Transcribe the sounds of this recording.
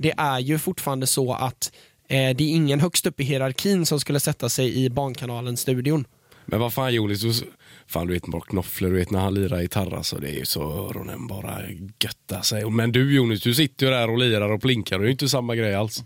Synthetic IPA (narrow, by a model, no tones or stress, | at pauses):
d̪ɛʔæɾjɵfʊʈfɑːɾand̪əsɔa̰t̪ | d̪ɛɪŋːənɦœkst̪ɵpːɪɦɪɾaɾkʰiːnsɔmskɵlːəsɛt̪ːasɛjɪbɑːɳkʰanɑːlənst̪ʉ̟ːd̪ɪʊn | mʔɛ̰nvafaːnjuːnɪsd̪ʊfa̰ːnd̪ʉveːt̪mɔ̰ːkʰnɔfləɖɵveːt̪næɾhanliːɾaɾɪt̪ʰaɾːa̰sɔ̰d̪ɛ̰ɛ̰j̰sɔɾʊ̰nɛ̰nbɑːɾa̰ɡ̥œt̪ːasɛjmɛnd̪ɵjuːnɪsd̪ɵs̬ɪt̪ːəjɵd̪æɾɔliːɾaɾɔpʰlɪŋkʰaɾɔdɛjʏnt̪əsamːaɡɾɛjːals